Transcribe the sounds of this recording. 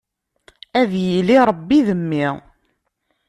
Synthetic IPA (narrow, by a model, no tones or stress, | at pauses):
æðjiliɾˤəbːiðəmːɪ